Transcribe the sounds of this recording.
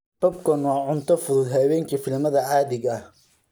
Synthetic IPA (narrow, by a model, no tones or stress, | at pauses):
b̥ɐbkʰɔnwɑːʕʊnt̪ʰɔfʊðʊd̪ɦɐwɛːŋkʰifɪlmɐðɐʕɑːðɪɡɐh